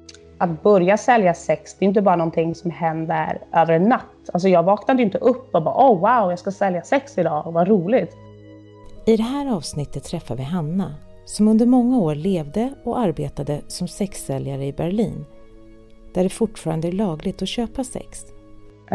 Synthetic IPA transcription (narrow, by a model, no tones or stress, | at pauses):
at̪̚bœɾjasɛljasɛksd̪ɛjʏnt̪̬əbɑːɾanɔnt̪ʰɪŋsɔmɦɛnd̪ə̰ɾʔøːvəɾɳat̪ːals̬ɔjɑːɡvɑːknad̪əjʏnt̪əʔɵpːɔbɑ̰ːʔɔwawjɑskasɛljasɛksɪd̪ɑːvaɾuːlɪt̪ | ɪd̪ɛɦæːɾɑːvsnɪt̪ːət̪ʰːɾɛfːa̰vɪɦanːa | sɔmɵnd̪əɾmɔŋːaoːɾɭeːvd̪əɔaɾbeːt̪ad̪əsɔmsɛksɛljaɾəɪbæɾɭiːn | d̪̥æɖɛfʊʈːfɑːɾand̪əæɭɑːɡlɪɡ̚t̪ɔɕøːpasɛ̰ks